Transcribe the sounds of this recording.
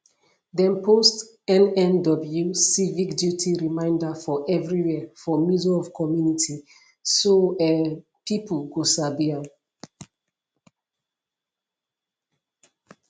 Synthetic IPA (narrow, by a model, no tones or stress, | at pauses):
dɛ̃npʰost | ɛ̃nɛ̃ndɔbl̩jusivikdjutʰiɹimãɪ̃ndəfɔʔɛvɹiwɛfɔmizɔvkʰɔmjunitʰi | soɛpiplɡosabia